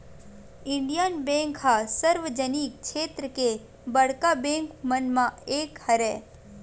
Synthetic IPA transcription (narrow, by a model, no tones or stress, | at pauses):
ɪ̃ɳɖijənbẽːŋkhasəɾʋəd͡ʒəniːk̚ːʃʰeːt̪ɾəke | bɐɽkabẽːŋkmənmãeːkhɐɾɛː